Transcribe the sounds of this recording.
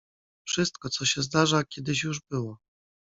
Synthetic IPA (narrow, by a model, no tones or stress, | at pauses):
fʂɘst̪kɔt̪sɔɕɛzd̪aʐakʲɛd̪ɘɕjuʐbɘwɔ